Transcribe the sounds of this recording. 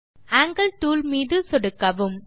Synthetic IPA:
aːŋɡɐlʈuːlmiːðɯsɔɽɯkːɐʋɯm

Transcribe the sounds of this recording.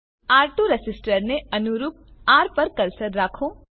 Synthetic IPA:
aːɾʈoɾesɪsʈəɾneɐnuɾuːp̚aːɾpɐɾkɐɾsəɾːaːkʰoː

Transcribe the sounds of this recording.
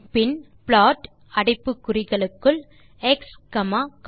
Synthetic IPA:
pɪn | pɭaːʈ | ɐɽɪpːɯkːʊrɪɣɐɭɯkːɯɭ | ɛkskɐmaːk

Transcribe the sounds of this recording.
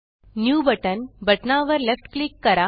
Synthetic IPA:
njuːbɐʈɐnbɐʈnaːʋɐɾlefʈklikːɐɾa

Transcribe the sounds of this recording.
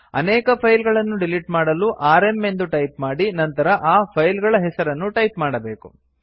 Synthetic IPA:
ɐ̰nɛːkɐpʰɐjlɡɐɭɐnːuɖiliʈmaːɽɐluʔaːɾe̞mːe̞nd̪uʈɐjpmaːɽinɐnt̪ɐɾɐʔaːpʰɐjlɡɐɭɐɦɛsɐɾɐnːuʈɐjpmaːɽɐbe̞ːku

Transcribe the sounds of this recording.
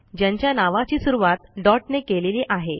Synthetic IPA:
d͡ʑjãɲt͡ɕjanaʋat͡ɕiːsuɾuʋat̪̚ɖɔʈnekeleliːʔaɦe

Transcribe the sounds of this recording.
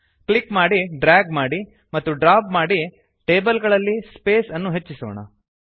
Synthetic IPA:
kɭikmaːɽiɖɾaːɡmaːɽi | mɐt̪ːuɖɾaːpmaːɽi | ʈe̞ːbɐlɡɐɭɐlːispe̞ːsɐnːuɦet͡ʃːisoːɳɐ̰

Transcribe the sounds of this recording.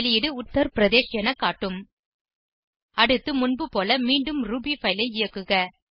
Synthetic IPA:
lɪjɪɽɯʊt̪ːɐɾpɪɾɐðeːsɪjɐnɐkːaːʈːɯm | ɐɽɯt̪ːɯmʊnbɯpoːlɐmiːɳɖɯmɾuːbifɐɪlɐɪɪjɐkːɯɣɐ

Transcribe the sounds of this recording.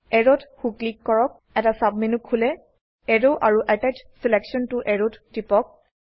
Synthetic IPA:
ɛɹɔtxuklikːɔɹɔk̚ | ɛtasab̚menukʰːulɛ | ɛɹoʔaɹuʔatat͡ʃsilɛksɔntʊʔɛɹottipɔk̚

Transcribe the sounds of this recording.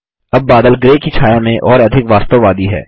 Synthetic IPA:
ɐbːaːd̪əlɡɾeːkit͡ʃʰaːjamẽʔɔːɾɐd̪ʱɪkʋaːst̪əʋʋaːd̪iɦɛ̰ː

